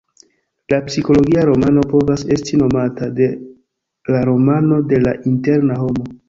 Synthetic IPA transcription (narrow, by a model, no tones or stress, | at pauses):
lapsiko̞lo̞ɡiaɾo̞mano̞po̞vase̞stino̞matade̞ | laɾo̞mano̞de̞laʔinte̞ɾnaho̞mo̞